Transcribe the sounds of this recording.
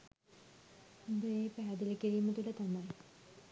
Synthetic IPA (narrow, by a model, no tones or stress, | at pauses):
had̪əeːpæːd̪elikiɾiːmət̪uʈət̪amaj